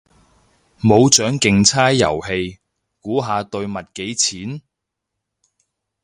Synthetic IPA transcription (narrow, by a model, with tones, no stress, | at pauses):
mo˨˧wt͡ʃœː˨˥ŋkɪ˨ŋt͡sʰaː˥jːɐ̰˨˩whe˧j | kuː˨˥ɦaː˧t̪ɵ˧ɥmɐ˨t̚ke˨˥jt͡sʰiː˨˥n